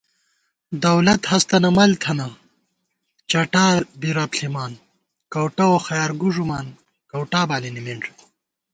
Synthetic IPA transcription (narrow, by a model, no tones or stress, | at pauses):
d̪ɐwlɐt̪hɐst̪ɐnɐmɐlt̪ʰɐnɐ | t͡ɕaʈaːbiɾaːpɬimaːn | kɐwʈɐwoxɐjaːɾɡuʐumaːn | kɐwʈaːbaːlinimiɳɖ